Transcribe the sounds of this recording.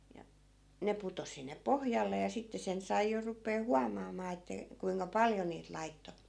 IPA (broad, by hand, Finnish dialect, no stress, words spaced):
jɑ ne putos̆ sinːe pohjɑlːe jɑ sitːe sen sɑi jo rupeː huɑmɑːmɑː etːæ kuiŋkɑ pɑljo niːt lɑitːo